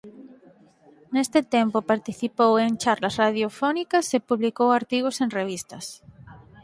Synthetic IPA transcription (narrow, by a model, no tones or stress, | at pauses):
nest̪ɪt̪empopaɾt̪iθipoweŋt͡ʃaɾlasraðjofɔnikɐsepuβlikowaɾt̪iɣosenreβ̞ist̪ɐs